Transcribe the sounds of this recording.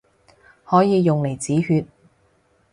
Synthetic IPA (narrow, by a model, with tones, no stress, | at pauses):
hɔː˨˥jiː˨˧jʊ˨ŋle˨˩jt͡siː˨˥hyː˧t̚